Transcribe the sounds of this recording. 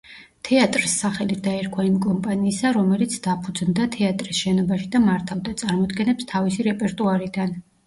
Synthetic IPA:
t̪ʰɛat̪ʼɾisːaχɛlit̪ʰd̪aɛɾkʰwaimkʼɔmpʼaniːsaɾɔmɛlit̪sʰd̪̥apʰud̪zmd̪at̪ʰɛat̪ʼɾisʃɛnɔbaʃid̪amaɾt̪ʰavd̪at̪sʼaɾmɔd̪ɡɛnɛpst̪ʰavisiɾɛpʼɛɾt̪ʼuaɾid̪an

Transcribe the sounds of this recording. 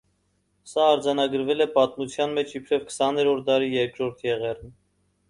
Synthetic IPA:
sɑːɾd͡zɑnɑɡəɾvɛlɛpɑt̪mut͡sʰjɑnmɛt͡ʃʰipʰɾɛvkʰə̥sɑnɛɾɔɾt̪̚d̪ɑɾijɛɾkɾɔɾt̪ʰjɛʁɛrn

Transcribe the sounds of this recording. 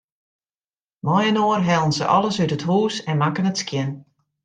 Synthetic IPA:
mɔjənoːrɦɛlˠənzə̰ʔɔ̰lˠəsytətɦuːsɛnmakənətskjɪn

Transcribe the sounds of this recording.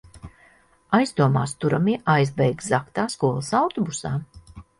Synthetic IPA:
ajzd̪uɔmaːst̪uɾamiɛʔajzbɛjɡzakt̪aːskuɔlˠɐsawt̪ɔbusaː

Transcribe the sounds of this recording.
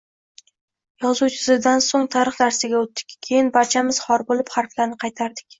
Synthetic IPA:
jɒzuwt͡ʃʰɪ̥sɪd̪ansoŋt̪ʰaɾɨχnaɾsɪɡʲaot̪ːɪ̥kʲʰːe̞jɪnbaɾt͡ʃʰamɪz̥hɒɾbolɪpχaɾflaɾnɪqʰɑjt̪ʰaɾd̪ɪkʲ

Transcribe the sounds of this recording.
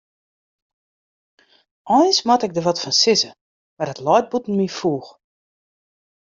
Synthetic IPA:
ʔɔjnsmatɛk̚dəʋɔtfɔnsɪzə | mardɔtlɔjt̚butn̩mifuːx

